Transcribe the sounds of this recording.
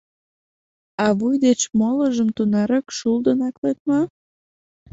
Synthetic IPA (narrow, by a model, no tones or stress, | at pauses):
ɑβujd̪et͡ɕmoləʒəmt̪unɑɾəkʃuld̪ənɑklet̪̚mɑ